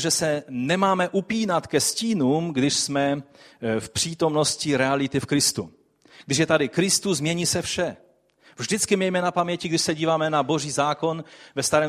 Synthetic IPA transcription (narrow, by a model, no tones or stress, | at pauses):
ʒɛsɛnɛmaːmɛʔupiːnat̪kɛsciːnuːmɡdɪʃsmɛ | fpr̥iːt̪o̞mno̞sciɾɛalɪt̪ɪfkɾɪst̪u | ɡ̥dɪʃ̬jɛt̪adɪkɾɪst̪uzmɲɛɲiːsɛfʃɛ | vʒdɪt͡skɪmɛjmɛnapamɲɛcɪɡdɪʃsɛɟiːvaːmɛnabo̞ʒiːzaːko̞nvɛst̪aɾɛː